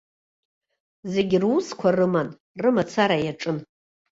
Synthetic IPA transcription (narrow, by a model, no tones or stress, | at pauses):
ze̞ɡʲɪruskʷʰarɨman | rɨmat͡sʰaɾajaʈ͡ʂʼɨn